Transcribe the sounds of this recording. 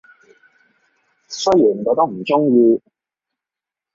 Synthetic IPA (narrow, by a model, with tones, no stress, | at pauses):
sɵ˥ji˨˩˨o˧˥t̪ɐ˥ŋ̚m̩˨˩ʈ͡ʂʊ˥ŋjiː˧